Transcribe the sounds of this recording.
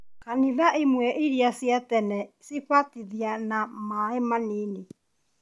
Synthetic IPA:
kaniðaʔemwɛʔeɾiasjatɛnɛseɸatiðianamaemaneːne

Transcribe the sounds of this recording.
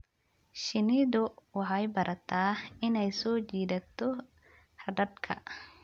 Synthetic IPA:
ʃɪnɪðʊwɑħɑjbɐɾʔɐt̪ʰaːɪnɛjsɔːt͡ʃiːðɐt̪ʰɔ | hɐɖɐd̪kʰɐ̰

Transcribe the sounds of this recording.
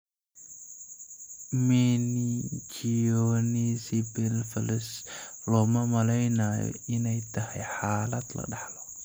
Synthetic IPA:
mɛnit͡ʃiɔnisibɛlfɐlɪslɔːmɐmɐlɛjnaːjɔ̰ʔɪnɛjt̪ʰɐhɛjħaːlɐd̪lɐ̰ɖɑħlɔ

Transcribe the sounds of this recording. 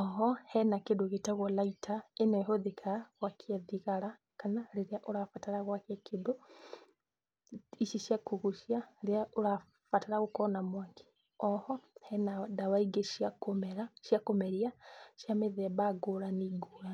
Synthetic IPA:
ɔɦɔhɛnakedoɣetaɣwɔlaitʰaenɛɦoðikʰaaɣwakʰiɛðiɣaɾa | kanaɾeɾeaʔoɾafataɾaɣwakeakʰedo | iʃiʃjakuɣuʃjaɾeaʔoɾa | fataɾaɣokɔnamwake̥ | ɔhɔhɛnadawaiɡeʃjakomɛɾaʃjakomɛɾiaʃjameðɛbaɡoɾaniːŋɡoɾa

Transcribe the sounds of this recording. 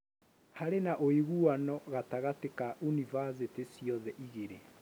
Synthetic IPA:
haɾenaʔoiɣuanɔɣataɣatekaunivas̬etesiɔðɛʔiɣeɾe

